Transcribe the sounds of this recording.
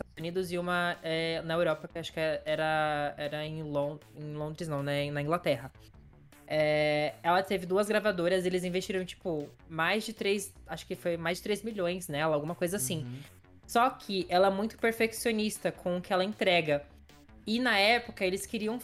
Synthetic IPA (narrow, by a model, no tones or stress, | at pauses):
zɪt̪ad̪ʊzunid̪ʊzɪũmɐɛnɐewɾɔpɐkɪaʃʊ̥kɪɛɛɾɐɛɾɐẽlõẽlõnd̪ɾɪznɐ̃w̃nɛẽnɐĩŋɡlat̪ɛɦɐ | ɛɛlɐt̪evɪd̪uɐzɡɾavad̪oɾɐzelɪzĩvest͡ʃiɾɐ̃w̃t͡ʃi̥pʊ | majzd͡ʒɪt̪ɾejsaʃʊ̥kɪfojmajzd͡ʒɪt̪ɾejzmiʎõj̃snɛlɐawɡũmɐkojzɐasĩ | sɔkʰɪʔɛlɐɛmũj̃t̪ʊ̥peɾfeksionist̪ɐkʰõʊkɪɛlɐẽt̪ɾɛɡɐ | ɪnɐɛpʊkɐelɪskɪɾiɐ̃w̃